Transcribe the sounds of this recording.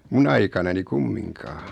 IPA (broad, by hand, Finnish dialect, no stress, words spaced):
mun ɑikɑnɑni kumːiŋkɑː